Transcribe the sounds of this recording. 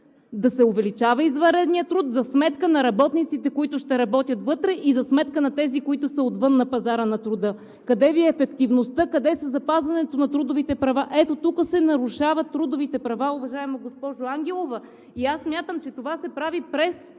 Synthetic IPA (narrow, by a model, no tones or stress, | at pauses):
d̪ɐsɛovɛlit͡ʃavɐizvɐɾɛd̪niət̪ɾut̪zɐsmɛt̪kənɐɾɐbɔt̪nit̪sit̪ɛkoit̪ʊʃt̪ɛɾɐbɔt̪ʲjɐt̪vɤt̪ɾɛʔizɐsmɛt̪kənɐt̪ɛzikoit̪ʊsəot̪vɤnːɐpɐzaɾənɐt̪ɾʊd̪ɤ | kɐd̪ɛviɛːfɛkt̪ivnost̪ɤkɐd̪ɛsəzɐpazvɐnɛt̪onɐt̪ɾud̪ʊvit̪ɛpɾɐvaʔɛt̪ot̪ukəsɛnɐɾuʃavɐt̪ːɾud̪ʊvit̪ɛpɾɐvaʊvɐʒaɛmoɡospɔʒʊaŋɡʲɛlˠovɐ | iasːmʲjat̪əmt͡ʃɛt̪ovasɛpɾavipɾɛs